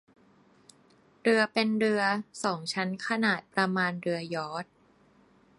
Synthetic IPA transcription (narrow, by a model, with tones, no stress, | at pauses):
ɾɯ˧ɐpe˧nɾɯ˧ɐsɔː˩˦ŋt͡ɕʰa˦˥nkʰa˧naː˨˩t̪̚pɾa˧maː˧nɾɯ˧ɐjɔː˦˥t̪̚